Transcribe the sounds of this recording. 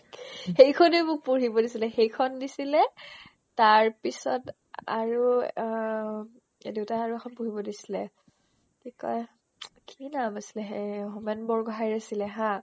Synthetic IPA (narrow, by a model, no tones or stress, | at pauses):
xejkʰɔnejmʊk̚puɹibɔdisilɛxejkʰɔndisilɛ | taɹpisɔ̰t | a̰ɹu | edewtaaɹuɛxʰɔnpuɹibɔdisi̥lɛ̰ | tikɔ̰j | kʰinamasilɛɦeɦumɛnbɔɹɡɔɦajɹasilɛɦã